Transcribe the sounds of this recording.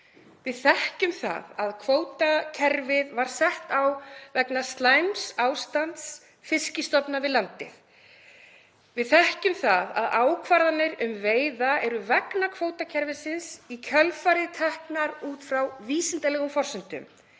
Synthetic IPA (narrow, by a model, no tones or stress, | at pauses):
vɪðθɛhcʏmθa̰ðaðkʰvoːwt̪acʰɛɾvɪðvaɾ̥sɛht̪awvɛknast̪lajmsaːwst̪ant̪s | fɪscɪst̪ɔpnavɪðlant̪ɪ̰ð | vɪðθɛhcʏmθaða̰ðaːwkʰvaɾðanɪɾʏmveːjðaɛɾʏvɛknakʰvoːwt̪acʰɛɾvɪsɪnsicʰœlfaɾɪt̪ʰɛhknaɾuːt̪fɾawviːsɪnt̪alɛɣʏmfɔr̥sʏn̥t̪ʏ̰m